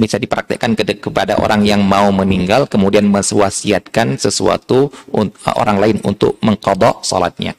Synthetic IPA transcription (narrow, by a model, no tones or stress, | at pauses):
bisadipəɾak̚t̪ə̰kankəkəpada̰ʔo̰ɾaŋjaŋmauməniŋɡalkəmudianməswasiat̪̚kansəsua̰t̪u | ʔo̰ɾaŋlaɪnṵnt̪ʊ̰k̚məŋqɑd̪ɑʔsɔ̰la̰t̪̚ɲa̰